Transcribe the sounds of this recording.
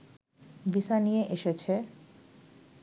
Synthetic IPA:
bisanijeʔeʃet͡ɕʰe

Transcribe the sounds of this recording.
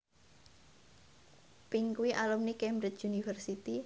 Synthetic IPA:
piŋkuwiʔalumnikɛmbɾɪt͡ʃunifərsit̪i

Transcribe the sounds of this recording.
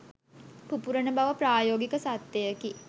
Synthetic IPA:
pupuɾənəbaʋəpraːjoːɡikəsat̪ːejəki

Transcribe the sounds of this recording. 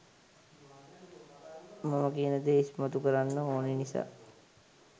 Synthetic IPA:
maməkiənəd̪eismat̪ukəɾanːəoːnenisa̰ː

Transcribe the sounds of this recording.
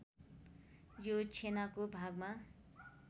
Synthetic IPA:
jot͡sʰenakobʱaɡma

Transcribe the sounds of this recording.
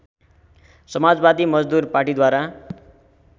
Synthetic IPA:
sʌmad͡zbad̪imʌd͡zd̪urparʈid̪waɾa

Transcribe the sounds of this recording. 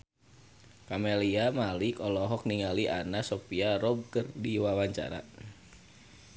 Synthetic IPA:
kameliamalikɔlɔɦɔk̚niŋaliʔa̰nasɔpiaɾɔb̚kərdiwawaɲt͡ʃa̰ɾa̰

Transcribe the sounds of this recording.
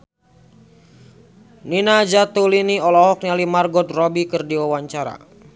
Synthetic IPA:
ninad͡ʒat̪uliniɔlɔɦɔk̚nialimarɡɔt̪̚rɔbikərdiwawaɲt͡ʃaɾa̰

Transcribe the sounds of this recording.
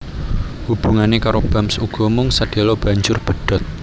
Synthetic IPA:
hub̥ṳŋanekaɾob̥amsuɡ̥ɔ̤mʊŋsəɖ̥e̤lɔb̥a̤ɲd͡ʒʊrb̥ə̤ɖ̥ɔ̤t̪̚

